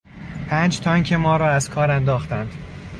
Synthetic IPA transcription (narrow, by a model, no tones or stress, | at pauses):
pʰæːnd͡ʒt̪ʰɒːŋcʰemɒːɾɒːæzkʰɒːɾænd̪ɒːxt̪ænd̪̥